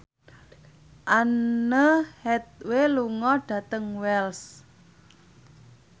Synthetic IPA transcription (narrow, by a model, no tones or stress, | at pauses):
ʔanəhɛt̪̚weluŋɔɖ̥a̤t̪əŋwɛls